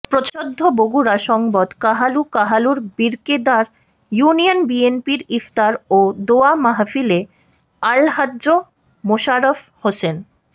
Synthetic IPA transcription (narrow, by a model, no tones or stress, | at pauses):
pɾot͡ɕod̪ʱːoboɡuɾaʃɔŋbɔd̪kaɦalukaɦaluɾbiɾked̪aɾ | junijonbienpiɾift̪aɾod̪oamaɦafile | alɦadːd͡ʑo | moʃaɾof | hosen